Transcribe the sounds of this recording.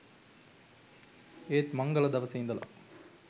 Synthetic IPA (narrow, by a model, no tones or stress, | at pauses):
eːt̪mɐŋɡɐlɐd̪ɐʋɐseind̪ɐlɐ̰